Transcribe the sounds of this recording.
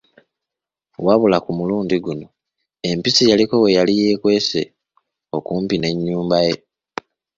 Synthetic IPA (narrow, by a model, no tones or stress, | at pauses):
waβulakumuluːndiɡuno̞ | e̞mpisijaliko̞we̞jalijeːkwe̞ːse̞ | o̞kuːmpine̞ɲːuːmbaje̞